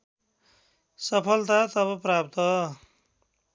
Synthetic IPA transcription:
sʌpʰʌlt̪at̪ʌβʌprap̚t̪ʌ

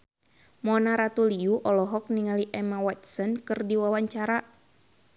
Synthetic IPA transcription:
mɔnaɾat̪uliuʔɔlɔɦɔk̚niŋaliʔɛmawat̪̚sɔnkɨrdiwawaɲt͡ʃaɾa

